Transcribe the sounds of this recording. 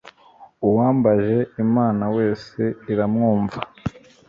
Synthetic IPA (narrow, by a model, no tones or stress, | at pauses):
uwaːmbaʒe̞imaːnawe̞ːse̞iɾamŋuːɱva